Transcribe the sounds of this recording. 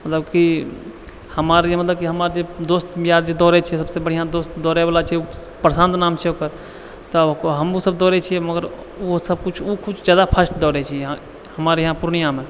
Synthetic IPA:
mət̪ləbki | həmaːɾemət̪ləb̚kiɦəmaːɾd͡ʒed̪oːst̪mijaɾd͡ʒed̪ɔːɾet͡ʃʰisəbsebəɽ̤ijãd̪oːst̪d̪ɔːɾeʋaːlat͡ʃʰiɛu | pɾəsãːnd̪naːmt͡ʃʰɛoːkəɾ | t̪ɔɦəmusəb̚d̪ɔːɾet͡ʃʰiɛməɡəɾ | usəb̚kut͡ʃʰukʰut͡ʃʰd͡ʒjaːd̪apʰəsʈd̪ɔːɾet͡ʃʰiɦã | həmaːɾjɦãpuɾnijaːmẽ

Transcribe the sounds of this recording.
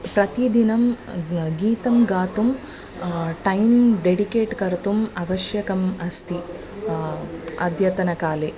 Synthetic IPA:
pɾɐt̪id̪inɐmɡiːt̪ɐmɡaːt̪um | ʈɐjmɖeɖikeːʈkɐɾt̪umɐʋɐʃjɐkɐmɐst̪i | ɐd̪ʱjɐt̪ɐnɐkaːle

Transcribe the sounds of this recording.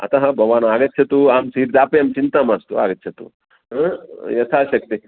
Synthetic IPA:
ɐ̰t̪ɐɦɐbʱɐʋaːnaːɡɐt̪ːɕʰɐt̪uaːmsiːɾd̪aːpɐjɐːmt͡ʃint̪ɐmast̪ua̰ːɡɐt̪ːɕʰɐt̪ṵ | jɐt̪ʰaːʃɐk̚t̪i

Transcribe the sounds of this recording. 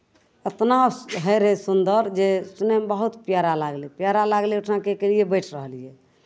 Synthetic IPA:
ət̪naɦəjɾɦɛsund̪əɾd͡ʒestnɛmbəɦut̪pjaɾalaɡlepjaɾalaɡleuʈʰnãkekelijebəjʈʰɾəɦəlijɛ

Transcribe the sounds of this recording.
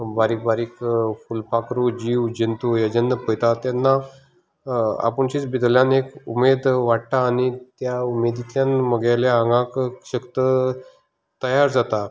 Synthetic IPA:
baɾiːk̚baɾiːkfulpakɾud͡ʑiʋd͡ʑənt̪ujəd͡ʑənd̪əpəjt̪at̪janːa | a̰pəɳt͡ɕiːt͡sbid̪ljanekumed̪ʋaɽt̪aːnit̪jaumed̪it̪janməɡaljaaŋɡãkɕəkt̪ə | t̪əjaɾd͡zat̪a

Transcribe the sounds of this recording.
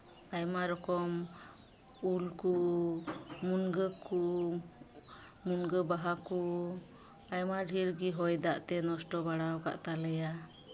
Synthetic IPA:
ajmaɾɔkɔm | ulku | munɡəku | munɡəbaɦaku | ajmaɖʱiɾɡiɦɔjd̪aʔt̪ɛnɔsʈɔbaɽawka̰ʔt̪aləja

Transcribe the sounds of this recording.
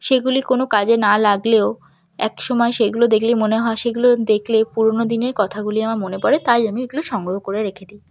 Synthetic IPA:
ʃeɡulikonokad͡ʑenalaɡleo | ɛ̰kʃɔmɔeʃeɡulod̪ekʰlimoneɦɔeʃeɡulod̪ekʰlepuɾonod̪ineɾkɔt̪ʰaɡuliamaɾmonepɔɾet̪ajamieɡuloʃɔŋɡɾoɦokoɾeɾekʰed̪i

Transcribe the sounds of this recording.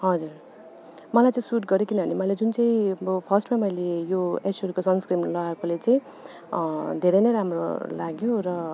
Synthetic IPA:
ɦʌd͡zur | mʌlajt͡saĩsuʈɡʌɾjokinʌbʱʌnimʌjled͡zunt͡saĩbopʰʌsʈmamʌjlejoesʌɾukosʌnskrimlʌakolet͡saĩ | d̪ʱeɾʌjnʌjɾamro̰laɡjorʌ

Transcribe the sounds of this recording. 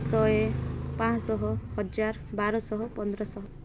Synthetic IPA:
sɔepãsɔɦɔhɔd͡ʒaɾbaɾɔsɔɦɔpɔnd̪ɾɔsɔɦɔ

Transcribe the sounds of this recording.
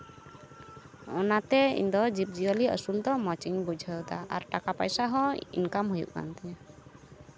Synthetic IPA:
ɔnat̪ɛḭnd̪ɔd͡ʒip̚d͡ʒiəliə̰suld̪ɔmɔt͡ʃiɲbud͡ʒʱəwd̪aʔa̰ɾʈakapəjsaɦɔ̃ḭnkamɦujṵʔka̰nt̪ɛa

